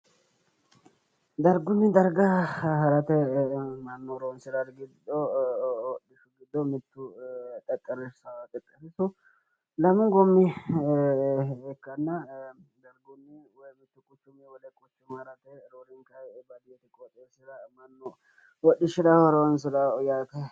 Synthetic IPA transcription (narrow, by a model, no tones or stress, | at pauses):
d̪ɐɾɡʊnːɪd̪ɐɾɡɐɦɐɾɐt̪ɛmɐnːɔɾonsɪɾɐɾɡɪd̪ɔwɔɗːɪʃʊɡɪd̪ːɔmɪt̪ːʊt̪ʼɛkʼːɐɾɪssɐt̪ʼɛkʼːɐɾɪsʊ | lɐmʊŋɡɔmːɪ | ɛkːɐnːɐ | d̪ɐɾɡʊnːɪwɔjmɪt̪ːʊkʼʊt͡ʃːʊmɛwɔlɛkʼʊt͡ʃːʊmhɐɾɐt̪ɛɾoɾɪŋkɐjbɐd̪ɪjɛt̪ɪkʼɔt̪ʼːeːsɪdɐmɐnːɔ | wɔɗːɪʃɪd̪ɐwɐɾonsɪd̪ɐjat̪ɛ